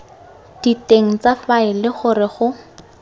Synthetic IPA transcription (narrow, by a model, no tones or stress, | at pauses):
d̥iteŋ̩t͡safaɪlɪχʊrɪχʊ